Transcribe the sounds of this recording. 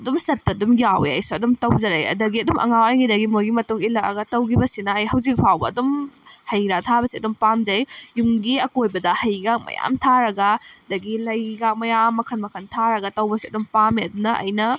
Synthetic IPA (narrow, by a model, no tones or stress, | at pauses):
ɐdumsɐt̚pɐdumjawḛa̰jsuɐdumtɐwd͡ʒɐɾajɐ̰dɐɡiɐdumʔɐ̰ŋawajŋidɐɡimojɡimɐtuŋilaɐ̰ɡɐtɐwkʰibɐsinɐːjɦɐwzik̚pʰawbɐːdumhɐjɾatʰabɐsiɐdumpamd͡ʒɐjjuŋɡiɐkojbɐdɐhɐjɡak̚mɐ̰ja̰mtʰaɾɐɡɐdɐɡilɐjɡak̚mɐjamːɐkʰɐnmɐkʰɐntʰaɾɐɡɐtɐwbɐsiɐdumpamiɐdunɐʔɐ̰jnɐ